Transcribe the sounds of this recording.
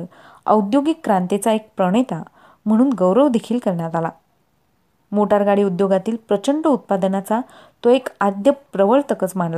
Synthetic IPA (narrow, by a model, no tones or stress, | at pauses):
ə̰ud̪joɡikːɾãnt̪et͡saek̚pɾəɽ̃et̪a | m̤əɽ̃uːnɡəwɾəʋd̪ekʰiːlkəɾɳjat̪ala | moʈaɾɡaɽiːud̪joɡat̪iːlpɾət͡ɕəɳɖəut̪̚pad̪nat͡sa | t̪oekad̪jəpɾəʋəɭt̪əkət͡smaɳla